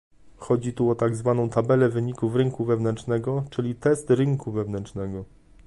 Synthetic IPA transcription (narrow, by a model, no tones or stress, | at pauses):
xɔd͡ʑit̪uɔt̪aɡzvan̪ɔ̃w̃t̪abɛlɛvɘɲikuvɾɘŋkuvɛvnɛnt͡ʂnɛɡɔt͡ʂɘlʲit̪ɛst̪ɾɘŋkuvɛvnɛnt͡ʂnɛɡɔ